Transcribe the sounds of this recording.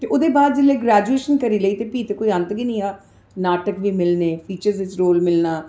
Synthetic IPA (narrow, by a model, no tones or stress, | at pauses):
t̪eːʊd̪eːbaːd̪̚d͡ʒɪlːeːɡɾɛːd͡ʒueːʃənkəɾiːləiːt̪eːpiːt̪eːkoːiənt̪ɡiːnĩːɦaː | naːʈəkʋiːmɪlneːpʰiːt͡ʃəɾzɪt͡ʃɾoːlmɪlnaː